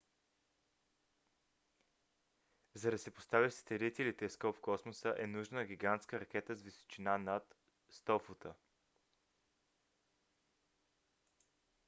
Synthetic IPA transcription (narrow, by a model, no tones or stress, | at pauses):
zɐd̪ɐsɛpo̥st̪avist̪ɛɾit̪ɛlit̪ɛskɔpfkɔsmosəʔɛnuʒnəɡʲiɡant̪skəɾɐk̟ɛt̪əzviso̥t͡ʃinanat̪ | st̪ɔfot̪ə